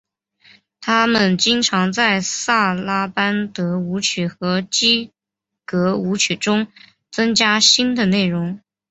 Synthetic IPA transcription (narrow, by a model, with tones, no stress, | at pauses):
t̪ʰa˥mə˨nt͡ɕi˥ŋʈ͡ʂʰɑ˧˥ŋt͡sa˥˧ɪsa˥˩la˥pa˥nt̪ɤ˧˥u˧˥t͡ɕʰy˨˩xɤ˧˥t͡ɕi˥ | kɤ˧˥u˧˥t͡ɕʰy˨˩ʈ͡ʂʊ˥ŋ | t͡sɤ˥ŋt͡ɕja˥ɕi˥nd̪ə˨ne˥˩ɪɻʊ˧˥ŋ